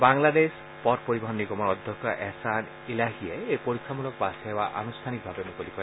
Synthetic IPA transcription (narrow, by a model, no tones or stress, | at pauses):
baŋlades | pɔt̚poɹibɔɦɔnːikɔmɔɹɔd̪ʱjɔkɔʔɛsan | ilaɦijɛejpoɹikʰːamulɔk̚pasɛbaʔa̰nustʰanik̚bʱabɛmukolikɔj